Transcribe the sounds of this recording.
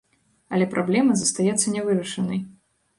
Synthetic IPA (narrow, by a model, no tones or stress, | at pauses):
ɐlʲɛpɾʔablʲɛmɐzɐst̪ajɛt̪sːɐnʲɛvɨɾɐʂɐnɐj